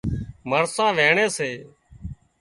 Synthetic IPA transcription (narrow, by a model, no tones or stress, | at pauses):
məɾsãːʋeːɳeːseː